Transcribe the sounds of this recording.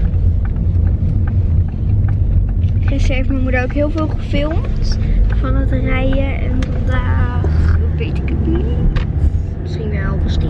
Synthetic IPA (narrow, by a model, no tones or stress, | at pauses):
χəsɛɹvməmudowkɦɪːlˠvɪːlˠχəfɪlˠmtfɑnətrɛjəɛ̰nvɑndaːχbejtəkəpi | sinalˠbəstɪ